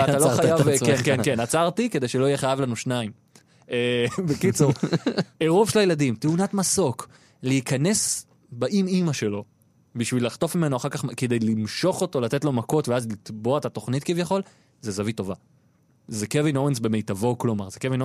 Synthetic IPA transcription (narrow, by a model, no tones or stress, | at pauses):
ataloχajjavvkenkenkenat͡saʁtikede̞jʃelo̞ijeχajavlanuʃnaim | ebekit͡suʁeʁuvʃelajeladimteunatmaso̞k | leikʰane̞s | baʔimimaʃe̞lo̞ | biʃvilaχt̪o̞fmimenoaχaʁkaχked̪ejlimʃo̞χo̞to̞latetlo̞mako̞tveazlit̪bo̞aetato̞χnitkivjaχo̞l | zezavito̞va | zekevinowensbe̞mejtavo̞klo̞maʁzekevino